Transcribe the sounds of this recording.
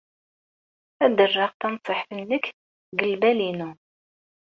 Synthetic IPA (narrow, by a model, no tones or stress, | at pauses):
æd̪ərːɑʁt̪ænsˤəħθənːək | ɡəlbælinu